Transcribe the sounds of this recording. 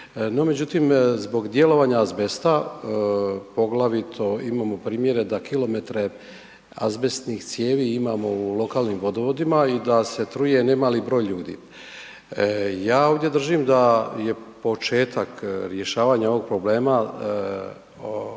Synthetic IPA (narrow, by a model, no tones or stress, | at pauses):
no̞me̞d͡ʑut̪imzbo̞ɡd̪je̞lo̞ʋaːɲazbe̞st̪a | po̞ɡlˠaʋit̪ʰo̞imaːmo̞pɾiːmje̞ɾe̞d̪akilo̞me̞t̪ɾe̞ | a̰zbe̞st̪nixt̪sje̞ːʋiimamo̞ulˠo̞kaːlnimʋo̞d̪o̞ʋo̞d̪imaid̪ase̞t̪ɾuje̞nemaːlibɾo̞ːjʎuːd̪ḭː | jaːo̞ːʋd̪je̞d̪r̩ʒimd̪aje̞po̞t͡ʃeːt̪akɾjeʃaːʋaɲao̞ʋo̞ɡ̚pɾo̞ble̞ːma